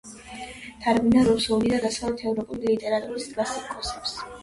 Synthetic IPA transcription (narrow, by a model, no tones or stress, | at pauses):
d̪̥ʰaɾɡbinaɾusulid̪ad̪asχalɛt̪ʰɛvɾɔpʼulilit̪ʼɛɾat̪ʼuɾisd̪ʰʼlasikʼɔsɛps